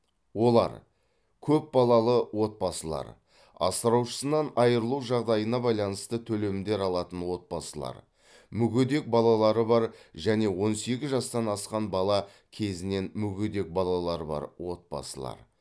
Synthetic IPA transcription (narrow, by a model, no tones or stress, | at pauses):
wo̞lˠɑ̰ɾ | kʲʰɵp̚bɑlˠɑlˠəwo̞t̪̚bɑsəlˠɑ̰ɾ | ɑ̰səɾɑwʃə̥sənɑnɑjəɾəlˠuwʒɑʁd̪ɑjənɑbɑjlˠɑnəst̪ət̪ʰɵle̞mɪnd̪e̞ɾɑlˠɑt̪ənwo̞t̪̚bɑsəlˠɑ̰ɾ | mʏɡʲed̪e̞k̚bɑlˠɑlˠɑɾəbɑɾʒæne̞wo̞nse̞ɡʲɪzʒɑst̪ɑnɑsqɑnbɑlˠɑ | kʲʰe̞zɪne̞nmʏɡʲed̪e̞k̚bɑlˠɑlˠɑɾəbɑ̰ɾwo̞t̪̚bɑ̰səlˠɑ̰ɾ